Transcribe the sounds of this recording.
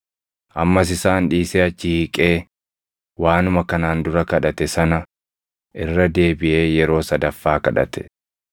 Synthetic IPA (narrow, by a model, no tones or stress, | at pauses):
ʔɐmːɐsɪsaːnᶑiːseːɐt͡ʃːɪhiːkʼe̞ː | waːnʊmɐkɐnaːnd̪ʊɾɐkɐᶑɐt̪ɛsɐnɐ | ʔɪrːɐd̪e̞ːbɪʔe̞ːjɛɾo̞ːsɐd̪ɐfːaːkɐᶑɐ̰t̪ɛ̥